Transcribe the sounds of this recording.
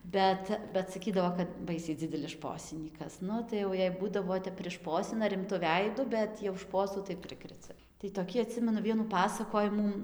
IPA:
ˈbʲɛt bʲɛt sɐˈkʲiːdɐʋoː kɐt ˈbɐɪsʲɛɪ ˈd͡zʲɪdʲɛlʲɪs ˈʃpoːsʲɪnʲiːkɐs ˈnʊ tɐɪ jɛʊ ˈjɛɪ ˈbuːdɐʋoː ˈtʲɛp pʲrʲɪˈʃpoːsʲɪnɐ rʲɪmˈtʊ ˈʋʲɛɪdʊ ˈbʲɛt jɛʊ ˈʃpoːsuː tɐɪ ˈpʲrʲɪkrʲɛt͡sʲɛ tɐɪ toːˈkʲiː ɐˈtʲsʲɪmʲɛnʊ ˈʋʲiɛnuː ˈpɑːsɐkoːjɪmuː

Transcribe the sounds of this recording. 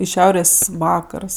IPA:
ɪ ˈʃʲɛʊrʲeːsʲ ˈʋɑːkɐrs

